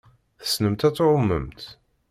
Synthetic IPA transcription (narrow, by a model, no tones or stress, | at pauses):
θə̥snəmt̪æt͡sːoɾʊmːə̰mt̪